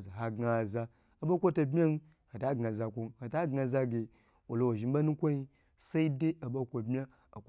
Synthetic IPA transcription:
za˨ɦa˨ɡa˨za˨ | a˨ba˦kʷo˦ta˨bmʲ˦a˦n˦ | ha˨ta˦ɡŋa˨za˨kʷo˨n˦ha˨ta˦ɡa˨za˦ɡe˨ | wo˨lo˨wa˨ʒi˨m˦ba˦nu˦kʷo˦i˦ | sa˦i˦de˦ʔa˨ba˦kʷo˨bmʲ˦a˦ | a̰˨k

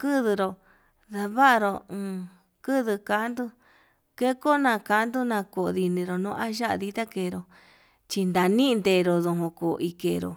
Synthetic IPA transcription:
kɨ˦ðɨ˧ɾo˨ | ða˧βa˦˧ɾõ˧˨ | kɨ˦ðɨ˧ka˧˦nd̪u˦ | ke˦ko˦nã˧ka˧˨˦nd̪u˦nã˧ko˨˧ði˧nĩ˧ɾo˨nũː˧˦ʔa˦ʒa˦ʔa̰˧ði˧t̪a˦ke˧˨˧ɾo˧ | t͡ʃi˧nd̪a˨nĩ˦˧nd̪e˧ɾo˧˨ðõ˧ɦõ˧ko˨˧ʔi˧ke˧˨ɾo̰˨

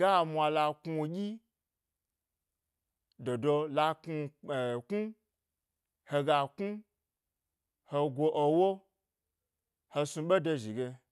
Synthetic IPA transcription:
ɡ̥a˦˨mʷa˧la˧ku˧˨ɡʲi˦ | do˨do˧la˧ku˧˨ku˦ | he˧ɡa˨ku˦ | ho˧ɡʷo˧ʔo˧wo˦ | ho˧su˧ɓe˦do˧ʒi˨ɡe˧

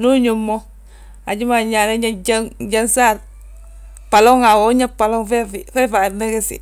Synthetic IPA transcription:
nu˦ɲu˨mːo | a˨ɟi˦ma˨ɲa˨ne˦ɲaɟaŋɟansa˦ɾ | pa˨lo˦ŋa˨wo˦ɲa˦pa˨lo˦ŋfe˦fife˦fa˨ne˦ke˦sḭ˨

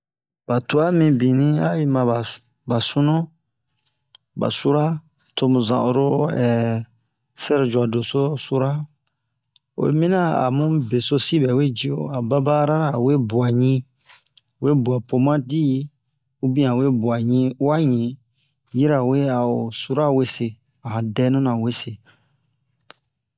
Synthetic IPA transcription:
ba˨tu˦a˦mĩ˧bĩ˨nĩ˦a˦ji˦mã˨ba˨ | ba˨sũ˦nũ˦ | ba̰˨su˦ɾa˦ | tʰo˧mũ˨zã̰˨ʔu˨ɾo˦ɛ˨ | sɛ˦ɾd͡ʒu˨a˨do˨so˦su˦ɾa˦ | o̰˨˦mĩ˦nã˦a̰˨mũ˦be˨so˦si˦bɛ˨we˦d͡ʒi˦o̰˨a˨ba˦ba˦ɾa˦ɾa˨we˦bu˨a˨ɲĩ˦ | we˦bu˨a˨po˨mã˦di˦ | u˦bĩ˦ã˨we˦bu˨a˨ɲĩ˧˦wa˦ɲĩ˨ | ji˦ɾa˨we˦a˨o˨su˦ɾa˦we˦se˨ | a˨hã˨dɛ˦nũ˦nã˨we˦se˨

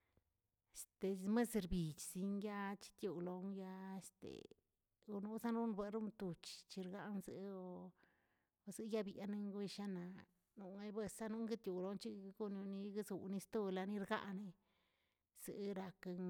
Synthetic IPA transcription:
st̪e˨me˦sɾbi˨t͡ʃzi˧nja˦t͡ʃi̥˦t̪ju˧lo˧ŋja˧e˧st̪ḛ˨ | o˧nu˦za˦nu˦nbe˨ɾu˦nt̪u˨t͡ʃt͡ʃi˧ɾɡa˦nzḛ˦o˧ | zɨ˧ja˦bja˧ne˧ŋɡwe˦˧ʃa˧na˨ | nu˧ŋa˧be˧sa˦nu˦ŋɡe˦t̪ju˨lo˧nt͡ʃi˦˧ɡo˦njo˧ni˧ɡa˦zu˨ni˧st̪u˦˧la˧ni˧˦ɾɡa̰˦ʔni˧ | z̥ḛ˨˦ɾa˧k

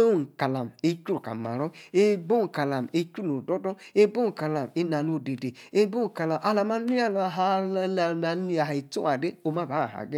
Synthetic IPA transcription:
o˦˨ŋ̩˨ka˨la˨m˨e˦ku˦ɾu˨ka̰˨ma̰˨ɾɔ˦e˦bo˦˨ka˨la˨m˨e˦ku˦lo˨dɔ˦dɔ˦e˦bo˦˨ka˨la˨m˨e˦na˨no˦˨de˨de˨e˦bo˦˨ka˨la˨mʔa˨la˨ma˦i˦a˦lɦa˦a˨a˨˦i˦a˨ɦa˨i˨tu˦a˨de˦o˨ma˦˨ba˨˦a˨ɦa̰˨ɡe˦

